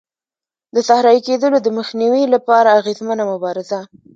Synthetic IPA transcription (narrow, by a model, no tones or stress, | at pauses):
d̪əsahɾɑjiked̪əlod̪əməxniwilapɑɾaːɣezmənamʊbɑɾɪza